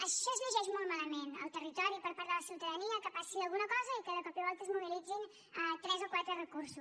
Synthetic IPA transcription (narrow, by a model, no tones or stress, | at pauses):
əʃɔəzləʒɛʒmɔlˠt̪maləmenə̰lˠt̪ərit̪ɔɾipəɾpaɾðələsiwt̪əðəniəkəpasiəlˠɣunəkɔzəikəðəkɔpiəβɔlˠt̪əzmuβilid͡zin | ət̪ɾɛzokwat̪ɾərəkuɾsus